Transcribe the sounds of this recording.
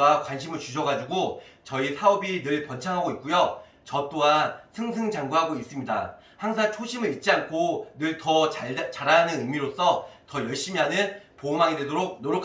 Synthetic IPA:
akwanɕʰimɯɭt͡ɕuɕʰʌɡad͡ʑuɡot͡ɕʌisʰaubinɯɭpʌnt͡ɕʰaŋɦaɡoit̚k͈ujo | t͡ɕʌt͈oansʰɯŋs̬ʰɯŋd͡ʑaŋɡuɦaɡois͈ɯmɲida̰ | haŋsʰaŋt͡ɕʰoɕʰimɯɭit̚t͡ɕ͈iankʰonɯɭtʌt͡ɕaɾanɯnɯmiɾosʰʌtʌjʌɭɕ͈imiɦanɯnpomaŋidwe̞doɾok̚noɾokʰ

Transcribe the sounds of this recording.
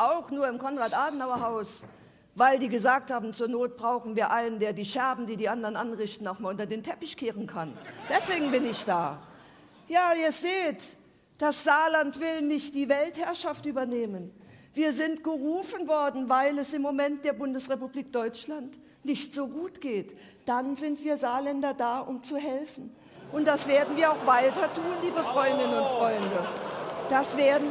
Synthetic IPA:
ʔaʊxnuːɐɪmkʰɔnʁaːtʔaːdn̩haʊɐɦaʊs | vaɪldiːɡəzaːk̚thaːbm̩t͡suːɐnoːt̚b̥ʁaʊxn̩viːɐʔaɪnəndeːɐdiːʃɛɐbm̩diːdiːʔandɐʁənʔanʁɪçtn̩aʊxmaːlʊntɐdeːntʰɛpɪçkʰeːʁənkʰand̥ɛsv̥eːɡŋ̩bɪnɪçd̥aː | jaːiːɐz̥eːt | d̥asz̥aːlantv̥ɪlnɪçt̚d̥iːvɛlthɛɐʃaftʔyːbɐneːmənv̥iːɐzɪntɡ̥əʁuːfənvɔɐdn̩vaɪlɛsɪmːomɛnt̚d̥eːɐbʊndəsʁepubliːk̚d̥ɔʏt͡ʃlant | nɪçtz̥oːɡuːtɡ̥eːt | d̥anzɪntv̥iːɐzaːlɛndɐdaːʔʊmt͡suɦɛlfn̩ | ʔʊnt̚d̥asv̥eːɐdn̩viːɐaʊxv̥aɪtɐtʰuːnliːbəfʁ̥ɔʏndɪnənʊntfʁ̥ɔʏndəd̥asv̥eːɐdn̩

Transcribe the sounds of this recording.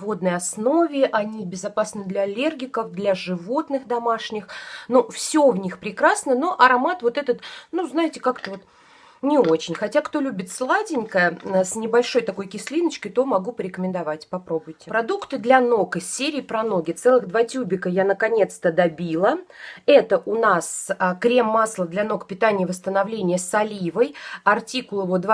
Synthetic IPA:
vo̞d̪̚nəjɐsno̞vʲɪʔɐnʲibʲɪzɐpasnɨd̪lʲɐːlʲerɡʲɪkəfd̪lʲaʐɨvo̞t̪nɨxd̪ɐmaʂnʲɪxnofsʲovnʲixpɾʲɪkɾasnəno̞ʔɐɾɐmat̪vo̞t̪ɛt̪ət̪nuznaɪtʲɪkakt̪əvo̞t̪ | nʲɪo̞t͡ɕɪnʲxɐtʲakt̪o̞lʲubʲɪt̪slˠadʲɪnʲkəəsnʲɪbɐlʲʂo̞jt̪ɐko̞jkʲɪsʲlʲinət͡ɕkəjt̪o̞mɐɡupəɾʲɪkəmʲɪnd̪ɐvatʲpɐpɾo̞bʊjtʲɪpɾɐd̪ukt̪ɨd̪lʲɐnokəsʲːeɾʲɪːpɾɐno̞ɡʲɪt̪sɛlˠɨɣd̪vatʲubʲɪkəjanəkɐnʲe̞t̪st̪əd̪ɐbʲilˠəɛt̪əʔʊnaskɾʲe̞mːaslˠəd̪lʲɐno̞kpʲɪt̪anʲɪjəvəst̪ənɐvlʲenʲɪjəsɐlʲivəjɐrtʲikʊlˠəvod̪v

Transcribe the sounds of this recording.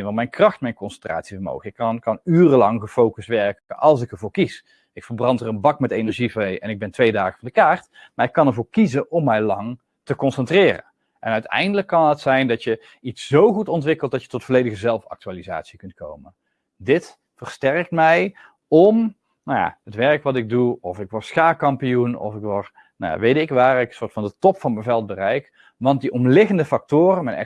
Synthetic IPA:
nʋɑtmɛjnkrɑxtmɛjnkɔnsɛntra̰ːtsivəɹmo̰wɣəɪkːkɑnyːrəlɑŋɣəfowkəstʋɛɹkəʔɑlˠs̬ɪkəɹvʊːɹkis | ɪkfərbrɑntərənbɑkmɛtejnɛɹʒivejɛ̰nɪɡ̚bɛntʋejdaːɣəvɑndəkaːrt | maːɹɪkːɑnɛɹvʊːɹkizənɔmːɛjlɑŋ | təkɔnsɛntrɪːrə̰n | ʔɛnœɥtɛ̰jndələkːɑnɦətsɛjndɑtjə | itsz̥owχutɔntʋɪkəlˠt̚d̥ɑtjə̥tɔtfʊɹlejdəɣəzɛlˠfɑ̰k̚tyaːliza̰ːtsikɵnt̚ko̰wmən | dɪt | fərstɛrk̚tmɛj | ɔm | naja̰ətʋɛrkʋɑtɪɡ̚duɔfɪkʋɔtsxaːkɑmpijunɔ̰fɪkʋɔr | n̰ja̰ʋejtɪkʋaːrɪkəsʊːɹtfɑndətɔpfɑnmɛnvɛlˠt̚bərɛjk | ʋɑnt̚diʔɔmlɪɣəndəfɑk̚tʊːrənmɛjnɛ̰

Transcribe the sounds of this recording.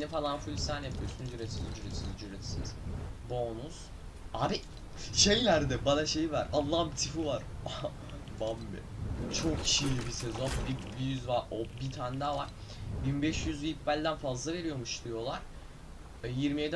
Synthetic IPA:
nɛfalˠanfulʲisænjapʰɯjosunzyɾet̪izd͡ʒyɾet̪ʰizd͡ʒyɾet̪ʰsiz̥boːnuz̥ | aːbi | ʃe̞jlʲæɾd̪ɛbanaʃe̞jivaɾalˠːambit̪ʰifivaɾ | bamːɛ̰t͡ʃʰokcʰiʃijlʲibisezo̞nbibijyzvaɾobit̪ʰand̪avaɾ̥ | binbɛʃjyzvipbælʲd̪ænfazlˠave̞ɾijo̞muʃd̪ijo̞lˠaɾ̥ | jiɾmijed̪

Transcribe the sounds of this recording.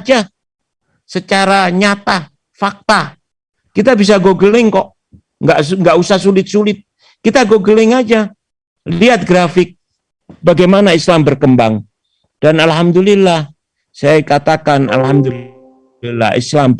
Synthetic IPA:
d͡ʒa | sət͡ʃaɾaɲat̪a | fak̚t̪a | kit̪abis̬aɡoɡəlɪŋkɔʔ | ŋɡaʔŋɡaʔusahsulɪt̪̚sulɪt̪̚ | kit̪aɡoɡəlɪŋad͡ʒa | liat̪̚ɡɾafɪk̚ | baɡajmanaislambərkəmbaŋ | d̥analɦamd̪ulilːah | sajakat̪akana̰lɦamd̪u | la̰ḭslam

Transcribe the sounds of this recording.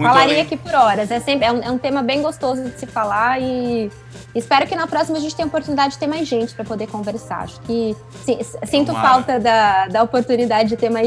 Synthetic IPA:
falaɾiakipoɾɔɾɐzɛsẽmpɾɪɛũɛũt̪ẽmɐbẽj̃ɡost̪ozʊd͡ʒɪsɪfalaɪː | spɛɾʊkɪnɐpɾɔsimɐʒẽnt͡ʃɪt̪ẽopoɾt̪unid̪ad͡ʒɪd͡ʒɪt̪eɾmajzʒẽnt͡ʃɪ̥pɾɐpod̪eɾkõveɾsa̰ɾa̰ʃʊ̥kɪ | sĩssĩnt̪ʊfawt̪ɐd̪ɐd̪ɐopoɾt̪unid̪ad͡ʒɪd͡ʒɪt̪eɾmaj

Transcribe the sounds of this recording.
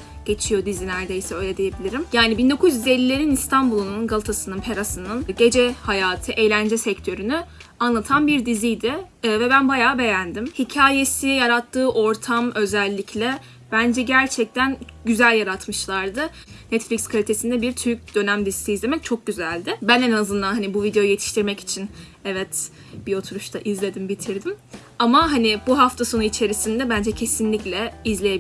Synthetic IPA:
ɟ̥e̞t͡ʃʰijo̞d̪izinæɾd̪ejsɛø̞jlʲɛd̪ije̞bilʲiɾimjaːnibind̪o̞kʰuzjyzelʲːilʲe̞ɾinist̪ʰanbulˠnnunɡalˠɯt̪ʰasɯnɯnpʰe̞ɾasɯnɯnɟe̞d͡ʒɛhajaːt̪ʰɯʔe̞jlʲænd͡ʒɛsɛct̪ʰø̞ɾyny | anlˠat̪ʰanbiɾd̪izijd̪ɪ | vɛbænbajaːbe̞jænd̪imhicʰaːje̞sijaɾat̪ʰːɯːʔo̞ɾt̪ʰamø̞zɛlʲːicʰlʲɛ | b̥ænd͡ʒɛɟæɾt͡ʃʰɛc̚t̪ʰænɟyzælʲjaɾat̪mɯʃlˠaɾd̪ɯ | nɛt̪flʲicskʰalʲit̪ʰe̞sind̪ɛbiɾt̪ʰyɾc̚d̪ø̞næmd̪issiːzlʲe̞mɛc̚t͡ʃʰok̚ɟyzælʲd̪ɪbænenazɯnd̪anhanibuvid̪e̞jojuje̞t̪ʰi̥ʃt̪ʰiɾmɛci̥t͡ʃʰin | ɛvɛt̪ | b̥io̞t̪ʰuɾuʃt̪ʰaʔizlʲe̞d̪imbit̪ʰiɾd̪im | amaɦanibuɦaft̪ʰaso̞nuit͡ʃʰe̞ɾisind̪ɛbænd͡ʒɛcʰe̞sinlʲiclʲɛizlʲejei

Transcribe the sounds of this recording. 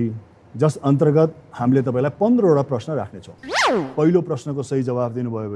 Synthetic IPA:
i | d͡zʌsʌnt̪̬ʌrɡʌt̪hamlet̪̬ʌpãĩlajpʌnd̪rʌoɽaprʌsnʌɾa̰kʰnet͡sʰʌ̃w̃pʌɦiloprʌsnʌkosʌɦid͡zʌbabd̪inubʱʌjobʌ

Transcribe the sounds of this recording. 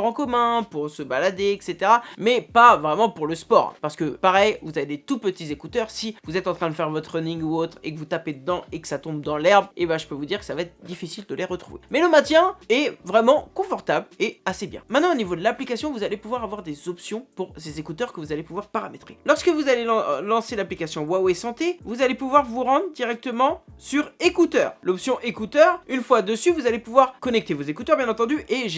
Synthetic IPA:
ʁɑ̃kɔmɛ̃puʁsəbalad̪eɛkset̪eʁamɛpavʁɛmɑ̃puʁləspɔ̰ʁɛ̰̃paʁsə̥kəpaʁɛjvuzaved̪et̪upət̪izekut̪œʁsivuzɛt̪ɑ̃t̪χɛ̃d̪əfɛʁvɔt̪χənĩŋɡuot̪χḛkəvut̪aped̪əd̪ɑ̃ʔekə̥sat̪ɔ̃bd̪ɑ̃lɛʁbebaʒəpøvud̪iʁkə̥savaɛt̪χd̪ifisild̪əleʁət̪χuvḛmɛləmɛ̃t̪jɛ̃ɛvʁɛmɑ̃kɔ̃fɔʁt̪ableasebjɛ̰̃mɛ̃t̪nɑ̃onivod̪əlaplikasjɔ̃vuzalepuvwaʁavwaʁd̪ezɔpsjɔ̃puʁsezekut̪œʁkəvuzalepuvwaʁpaʁamet̪χelɔʁskəvuzaleɑ̃lɑ̃selaplikasjɔ̃wawesɑ̃t̪evuzalepuvwaʁvuʁɑ̃d̪ʁəd̪iʁɛk̚t̪əmɑ̃syʁekut̪œːʁlɔpsjɔ̃ʔekut̪œʁynfwad̪əsyvuzalepuvwaʁkɔnɛk̚t̪evozekut̪œʁbjɛ̃nɑ̃t̪ɑ̃d̪yʔeʒ

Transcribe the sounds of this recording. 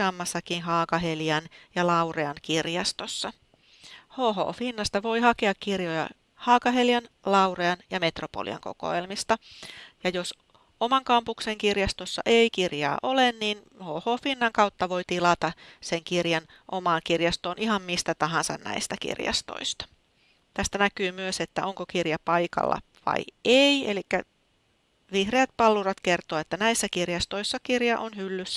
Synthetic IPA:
ɑːmːɑsːɑkinɦɑːkɑheljɑnjɑlɑureɑnkirjɑst̪osːɑ | hoːɦo̰ːfinːɑst̪ɑʋo̞ihɑkeɑkkirjojɑ̰ | hɑːkɑɦeljɑnlɑwreɑnjɑme̞t̪ropo̰lḭɑ̰ŋko̰ko̰elmist̪ɑjɑjos | omɑŋkɑmpukseŋkirjɑst̪osːɑ̰ʔeikirjɑ̰ːʔolenniːnhoːhoːfinːɑŋkɑut̪ːɑʋo̞it̪ilɑt̪ɑseŋkirjɑn | ʔomɑːŋkirjɑst̪oːnʔihɑmmist̪æt̪ɑɦɑnsɑ̰nnæ̰ist̪ækḭrjɑ̰st̪o̰ist̪ɑ̥ | t̪æst̪ænækyːmyøset̪ːæʔoŋkokirjɑpɑjkɑ̰lːɑ̰ʋɑ̰ieielikːæ | ʋihreːt̪̚pɑlːurɑt̪kert̪oːet̪ːænæisːækirjɑst̪oisːɑkirjɑʔonhylːysː

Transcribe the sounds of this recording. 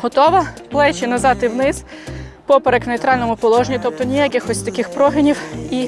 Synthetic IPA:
ɦɔt̪ɔʋɐplˠɛt͡ʃɪnɐzɑt̪ɪwnɪz̥pɔpeɾeknejt̪ɾɑlʲnɔmʊpɔlˠɔʒnʲit̪ɔp̚t̪ɔnʲijakʲɪxɔsʲt̪ɐkɪxpɾɔɦɪnʲiwi

